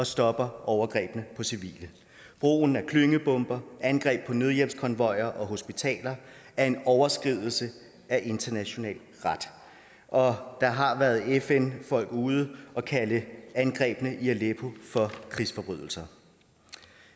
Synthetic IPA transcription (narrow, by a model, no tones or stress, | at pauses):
ɒ̽sd̥ɒ̽b̥ɐʔɒʊɐɡ̥ʁɛ̰ːb̥ənəpʰɒ̽siʋḭːlə | b̥ʁo̝̰ːn̩æɐkʰløŋəb̥ɔ̽mb̥ɐænɡ̥ʁɛ̰ːb̥̚pʰɒ̽nøð̞ˠjem̰skʰɒ̽nʋɒ̽ɪɐʔɒ̽ɦo̝sb̥it͡sʰɛ̰ːlɐæɐe̝nɒʊɐsɡ̥ʁið̞̰ˠl̩sə | æʔe̝nd̥ɐnæɕo̝nɛ̰ːl | ʁɑd̥ | ʔɒ̽d̥ɑ̈ɦɑ̈ʋæːɐð̞̩ˠefenfɒ̽l̰ɡ̥uːð̞ˠəɒ̽kʰæləænɡ̥ʁɛ̰ːb̥ənəʔiælepʰo̝fɒ̽kʰʁisfɒ̽b̥ʁœðˠl̩sɐ